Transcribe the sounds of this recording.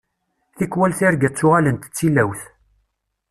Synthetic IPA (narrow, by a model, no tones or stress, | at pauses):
θikwælθiɾɡæt͡sːʊʁalənt̪t͡sːilæwθ